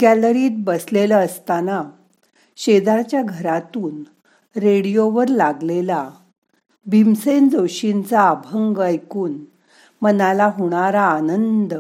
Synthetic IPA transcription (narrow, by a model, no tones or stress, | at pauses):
ɡælɾiːt̪̚bəslelaəst̪ana | ɕed̪aɾt͡ɕjaɡʱəɾat̪uːn | ɾeɽijoʋəɾlaɡlela | bʱimsend͡zoɕint͡saːbʱəŋɡajkuːn | mənalaɦoɽ̃aɾaːnənd̪